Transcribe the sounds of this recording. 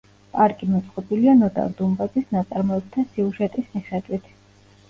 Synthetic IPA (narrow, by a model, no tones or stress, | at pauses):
pʼaɾkʼimɔt̪sʼqʼɔbilianɔd̪a̰ɾd̪umbad̪zisnat̪sʼaɾmɔɛb̚t̪ʰasiuʒɛt̪ʼismiχɛd̪wit̪ʰ